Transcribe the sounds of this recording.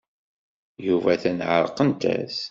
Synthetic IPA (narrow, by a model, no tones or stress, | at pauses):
juvæθænʕəɾˤqənt̪æ̰θ